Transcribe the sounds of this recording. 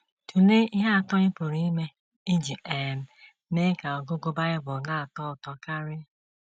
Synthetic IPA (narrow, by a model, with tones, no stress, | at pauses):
tʰu˨ne˦i˦ɦa˦a˨tɔ˦ɲɪ˦po˨ɾi˦me˦ | i˦d͡ʒi˨ʔe˨m̩˨ | ne˦ka˨ɔ˨ɡo˦ɡo˦ba˦ɾɪ˦bʊ˨na˦a˨tɔ˦ʊ˨tɔ˨ka˦ɾɪ˦